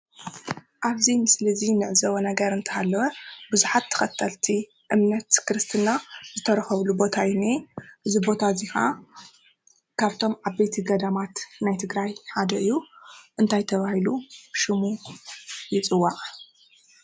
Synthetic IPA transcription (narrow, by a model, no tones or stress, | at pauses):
ʔaβzimɨslɐzinɨʕzɐwɐnɐɡɐɾɨnt̪ʰɐhalːɐwɐbɨzuħat̪ʰːɐ̥xɐt̪ʰːɐlt̪ʰi | ʔɨmnɐt̪kɾɨst̪ʰɨnazɨt̪ʰɐɾɐxɐβlubo̞t̪ʰajiniʔɨzibo̞t̪ʰazixa̰ | kʰaβt̪ʰo̞mʕaβbejt̪ʰiɡɐd̪amat̪najt̪ʰɨɡɾajħad̪ɐʔɨjːuʔɨnt̪ʰajt̪ʰɐβahiluʃɨmu | jɪt͡sʼɨwːaʔʼ